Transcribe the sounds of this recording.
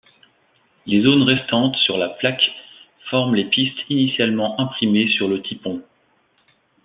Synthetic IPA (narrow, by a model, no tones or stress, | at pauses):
lezonʁɛst̪ɑ̃t̪syʁlaplak | fɔʁmlepist̪inisjalmɑ̃ʔɛ̃pχimesyʁlət̪ʰipɔ̃